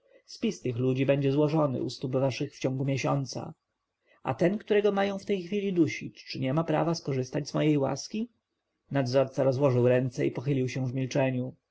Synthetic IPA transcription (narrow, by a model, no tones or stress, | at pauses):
spʲist̪ɘxlud͡ʑibɛɲd͡ʑɛzwɔʐɔnɘ̰ṵst̪ubvaʂɘxft͡ɕɔ̃ŋɡumʲjeɕɔnt̪sa̰ | a̰t̪ɛnkt̪uɾɛɡɔmajɔ̃w̃ft̪ɛjxfʲilʲid̪uɕit͡ɕt͡ʂɘɲɛmapɾa̰vaskɔʐɘst̪ad͡ʑzmɔjejwa̰skʲi | nad̪zɔɾt̪saɾɔzwɔʐɘwɾɛnt̪sɛipɔxɘlʲiwɕɛ̃vmʲilt͡ʂɛɲu